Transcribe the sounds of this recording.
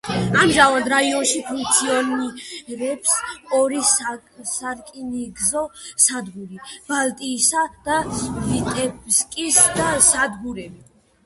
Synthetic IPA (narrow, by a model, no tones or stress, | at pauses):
amʒavand̪ɾaiɔnʃipʰũŋk̚t̪sʰiɔniɾɛpsɔɾissaɾkʼiniɡzɔsad̪ɡuɾib̥alt̪ʼiːsad̪̥alit̪ʼɛbskʼisd̪asad̪ɡuɾɛbi